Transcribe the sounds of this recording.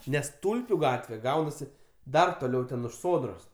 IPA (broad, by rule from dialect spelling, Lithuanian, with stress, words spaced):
ˈnʲɛs ˈtʊlʲpʲʊ ˈɡɑːtʲʋʲɛ ˈɡɐʊnɐsʲɪ ˈdɐr toːˈlʲɛʊ tʲɛn ʊʃ ˈsoːdroːs